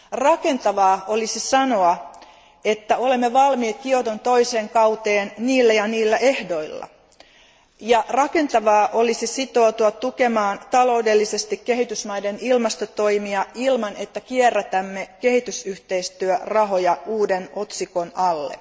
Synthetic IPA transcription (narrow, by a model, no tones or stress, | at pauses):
rɑke̞nt̪ɑʋɑːo̞lisisɑno̞ɑ | e̞t̪ːæo̞le̞mːeʋɑlmiːt̪̚kio̞t̪ont̪o̞ise̞ːŋkɑwt̪eːnniːlːæjɑniːlːæʔe̞hdo̞ilːɑ̰ | jɑrɑke̞nt̪ɑʋɑːʔo̞lisisit̪o̞ːt̪uɑt̪uke̞mɑːnt̪ɑlo̞ude̞lːise̞st̪ikkeɦit̪ysmɑjde̞nilmɑst̪ot̪o̞imiɑilmɑne̞t̪ːækierːæt̪æmːeke̞ɦit̪ysyht̪e̞ist̪yørɑɦo̞jɑuːdeno̞t̪siko̞nɑlːḛ